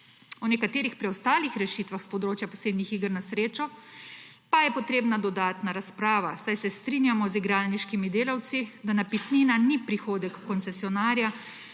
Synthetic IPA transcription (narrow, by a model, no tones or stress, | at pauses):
ɔnɛkat̪eːɾixpɾiɔst̪aːlixɾɛʃit̪ʋaxspɔd̪ɾoːt͡ʃjapɔseːd̪nixiːɡəɾnasɾeːt͡ʃɔ | pajɛpɔt̪ɾeːbnad̪ɔd̪aːt̪naɾaspɾaːʋasajsɛst̪ɾinjamɔziɡɾaːlniʃkimid̪eːlawt̪sid̪anapit̪ninanipɾixoːd̪ɛkːɔnsɛsijɔnaːɾja